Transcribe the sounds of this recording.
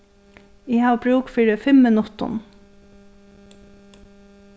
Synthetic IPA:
iːhɑːʋbɾʉːkfiːɾəfɛmːənʊt̪ʊ̰n

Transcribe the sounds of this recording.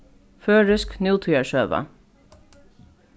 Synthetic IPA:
føːɹʏsknjuːt̪ʰyːəʃøːʋə̰

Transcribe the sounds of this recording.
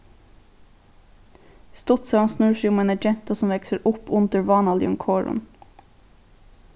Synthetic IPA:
st̪ɔt̪sɑɑnsnʉːʃyːmeːnæd͡ʒɛnt̪ɑsɔm̩ʋɛksəɾʔʊpʰʊnd̪əɹʋɑːnɑːlɪ̰ʊŋkʰoːɹʊ̰n

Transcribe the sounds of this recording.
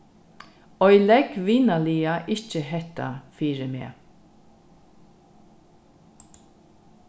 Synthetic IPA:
ɔʏlɛkʋɪnəliːɑʔɪçəhɛt̪ɑ̰fiːɹəmḛː

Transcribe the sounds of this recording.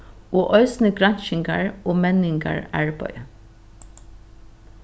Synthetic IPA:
oːʔœʏsn̩əɡɹɑnʃɪŋɡɑ̰ɹoːmɛnɪŋɡɑ̰ɹæɹbœ̰ʏ

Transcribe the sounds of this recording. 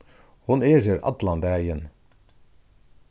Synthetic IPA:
hʊneːzəɾʔɑ̰t̪lɑnd̪æːjən

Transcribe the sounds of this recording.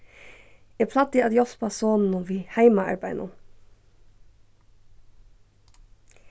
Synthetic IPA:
eːpʰlɑt̪iɑd̪jɔfpʰɑsoːnn̩ʊʋiːhæɪmɑɑ̰ɹbæɪnʔʊ̰

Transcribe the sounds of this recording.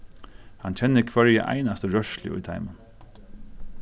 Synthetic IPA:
hant͡ʃʰɛnːəkʰvɛɹjəʔa̰ɪnast̪əɹœʃlɪ̰ʔʊ̰jt̪ʰa̰ɪmən

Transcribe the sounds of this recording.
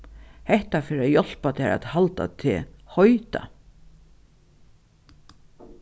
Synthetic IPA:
hɛht̪afɪːɾajɔl̥pat̪ʰɛɾa̰t̪halt̪a̰t̪ʰɪ̰hɔjt̪a̰

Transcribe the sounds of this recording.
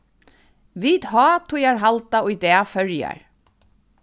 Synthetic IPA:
ʋiːd̪ɦɑːt̪ʰʊjaɹɦalt̪aʊjd̪ɛːfœɹja̰ɹ

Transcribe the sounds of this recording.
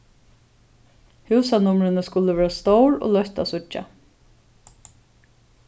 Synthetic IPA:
hʉːsanʊmɾɪnəskʊləʋeːɹast̪oʊɹo̰ːlœht̪a̰sʊt͡ʃːa̰

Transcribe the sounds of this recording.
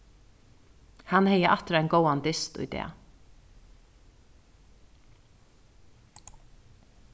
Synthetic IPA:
hanhɛjəʔat̪ɾɛɪnɡowand̪ɪst̪ṵjd̪ɛ̰ː

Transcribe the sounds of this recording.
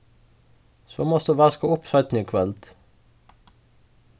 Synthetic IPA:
so̰ːmɔsd̪ʉːʋæskəʊpsɑɪt̪n̩iːkʰʋɛlt̪

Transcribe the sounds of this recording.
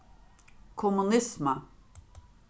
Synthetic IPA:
kʰomunisma

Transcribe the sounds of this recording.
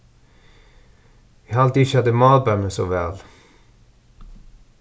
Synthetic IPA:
ʋiɑlt̪ːʃɑd̪əmɑːlbœməsoːʋæ̰ːl

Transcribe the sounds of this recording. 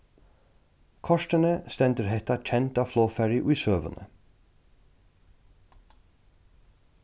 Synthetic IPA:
kʰɔʂt̪ənəst̪ɛnt̪əɾɦɛht̪at͡ʃʰɛnt̪aflɔːfɛɹjəʔʊjsøːʋə̰nə̰

